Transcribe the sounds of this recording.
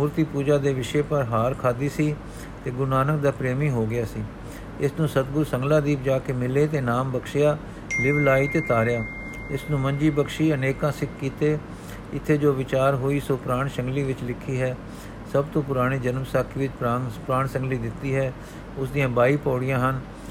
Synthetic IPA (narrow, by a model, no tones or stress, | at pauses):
muːɾt̪iːpuːd͡ʒaːd̪eːʋɪʃeːpəɾɦaːɾkʰaːd̪iːsiː | t̪eːɡʊnaːnək̚d̪aːpɾeːmiːɦoːɡɪjaːsiː | ɪsnũːsət̪ɡʊɾsəŋɡlaːd̪iːpd͡ʒaːkeːmɪleːt̪eːnaːmbəkʃɪjaː | d̪ɪʋlaːiːt̪eːt̪aːɾɪjaː | ɪsnũːməɲd͡ʒiːbəkʃiːəneːkãːsɪkʰːiːt̪eː | ɪt̪ʰːeːd͡ʒoːʋɪt͡ʃaːɾɦoːiːsoːpɾaːɳʃəŋɡliːʋɪt͡ʃlɪkʰːiːɦɛː | səbt̪õːp̬ʊɾaːɽ̃iːd͡ʒənmsaːkʰiːʋɪt͡ʃpaːpɾaːɳsə̃ŋɡliːd̪ɪt̪ːiːɦɛː | ʊsd̪ijãːbaːiːpɔːɽɪjãːɦən